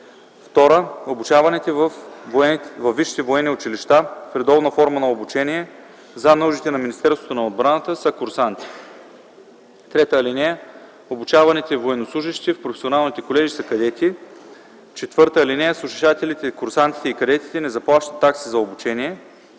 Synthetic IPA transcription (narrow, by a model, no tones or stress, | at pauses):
ft̪ɔɾəobut͡ʃavɐnit̪ɛvɐf | vɐvːiʃi̥t̪ɛvoɛnːiʊt͡ʃiliʃt̪afɾɛd̪ɔbnəfɔɾmənɐobut͡ʃɛniɛ | zanoʒit̪ɛnɐminist̪ɛɾst̪vo̥t̪onɐod̪̚bɾanət̪əsɐkʊɾsant̪i̥ | t̪ɾɛt̪əːlinɛjə | obut͡ʃavɐnit̪ɛivoɛnoslˠuʒiʃt̪ifpɾofɛ̥sionalˠnit̪ɛkolɛʒisɐkɐd̪ɛt̪i | t͡ʃɛt̪vɤɾt̪əːlinɛjəsˠuʃiʃat̪ɛlit̪ɛkʊɾsant̪i̥t̪ɛikɐd̪ɛt̪i̥t̪ɛnɛzɐplˠaʃt̪ə̥t̪ːaksizɐobut͡ʃɛniɛ